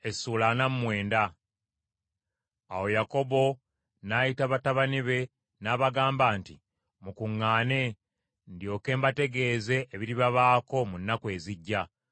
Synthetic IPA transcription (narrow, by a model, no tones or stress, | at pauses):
e̞suːlanamumwe̞ːnda | awo̞jako̞bo̞ | naːjitaβataβaniβe̞ | naːβaɡaːmbaːnti | mukuŋːaːne̞ | ndijo̞ːke̞ːmbate̞ɡe̞ːze̞ʔːβiɾiβaβaːko̞munːakwe̞ːziɟːa